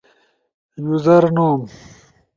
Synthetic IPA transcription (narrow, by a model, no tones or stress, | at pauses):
juzɐɾnoːm